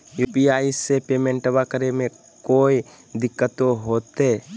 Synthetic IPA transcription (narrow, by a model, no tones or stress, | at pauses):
jupiaːisːepeːmẽɳʈəbakəɾemẽ | koːi | d̪ɪkːət̪oɦoːt̪eː